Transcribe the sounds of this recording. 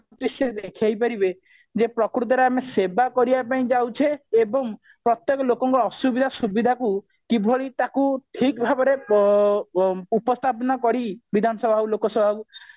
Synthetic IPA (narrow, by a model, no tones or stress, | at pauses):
t̪isjɔɾd̪ekʰjajpaɾibe | d͡ʒepɾɔkɾut̪̬ɔɾeamesebakɔɾibapaĩd͡ʒawt͡ʃʰeːbɔŋ | pɾɔt̪jekɔlokɔŋkɔɾɔɔsubid̪ʱasubid̪ʱaku | kibʱoɭit̪akuʈʰikbʱabɔɾe | upɔst̪ʰapɔnakɔɾibid̪ʱanɔsɔbʱakulokɔsɔbʱau